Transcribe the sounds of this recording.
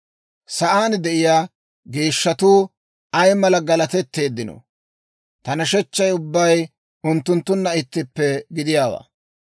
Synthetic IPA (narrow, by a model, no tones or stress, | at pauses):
sɐʔaːnd̪ɛʔɪjaː | ɡe̞ːʃːɐt̪uː | ɐjmɐlɐɡɐlɐt̪ɛt̪ːe̞ːd̪ːɪno̰ | t̪ɐnɐʃɛt͡ʃːɐjʊbːɐj | ʊnt̪ːʊnt̪ːʊnːɐɪt̪ːɪpːɛɡɪd̪ɪjaːwa̰ː